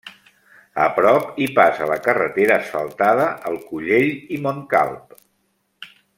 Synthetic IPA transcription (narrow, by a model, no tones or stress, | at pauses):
ə̰pɾɔpipasələkərət̪eɾəːsfəlˠt̪aðəʔəlˠkuʎeʎimoŋka̰lˠp